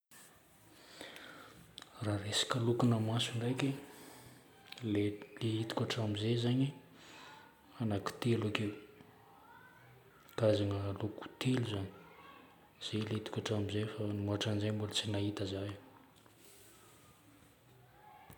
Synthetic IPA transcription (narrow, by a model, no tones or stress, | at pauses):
raresḁkʲəlukunamasuɳɖ͡ʐajkʲe | leleit̪i̥kʲaʈ͡ʂamizezaɲi | anaki̥t̪elakew | t̪azaŋəluku̥t̪ʰeluzani̥ | z̥eleit̪u̥kʲaʈ͡ʂamizefanimaaʈ͡ʂanzaɲmbulət͡sinait̪əzaj